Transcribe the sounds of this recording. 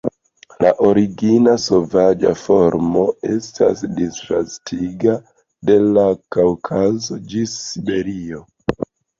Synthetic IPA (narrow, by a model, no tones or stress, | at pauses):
laʔoɾiɡinaso̞vad͡ʒa̰fo̞ɾmo̞e̞stʰa̰sdistɾastʰiɡa | de̞lakawkʰazo̞d͡ʒisːibe̞ɾio̞